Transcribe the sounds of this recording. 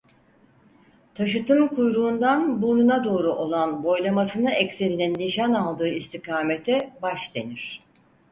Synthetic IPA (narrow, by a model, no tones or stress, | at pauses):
t̪ʰaʃɯt̪ʰɯmkʰujɾuːnd̪anbununad̪o̞ːɾuʔo̞lˠanbo̞jlˠamasɯnɯɛcse̞ɾininːiʃanalˠd̪ɯːist̪ʰikʰaːme̞t̪ʰɛbaʃd̪e̞niɾ̥